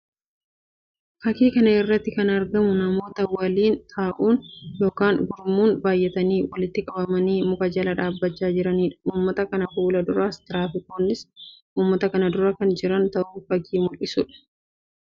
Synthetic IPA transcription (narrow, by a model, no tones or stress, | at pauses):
fɐkiːkɐnɐɪrːɐt̪ːɪkɐnɐɾɡɐmʊnɐmo̞ːt̪ɐwːaːliːnt̪ʰaːʔuːnjo̞ːkaːŋɡʊɾmuːnbaːjʔɛt̪ɐniːwɐlɪt̪ːɪkʼɐbɐmɐniːmʊkɐd͡ʒɐlɐᶑaːbːɐt͡ʃːaːd͡ʒɪɾɐniːᶑɐ̥uːmːɐt̪ɐkɐnɐfuːlɐd̪ʊɾaːst̪ɪɾaːfɪko̞ːnːɪsʔuːmːɐt̪ɐkɐnɐd̪ʊɾɐkɐnd͡ʒɪɾɐnt̪ɐʔuːfɐɡiːmʊlɪsʊᶑɐ̥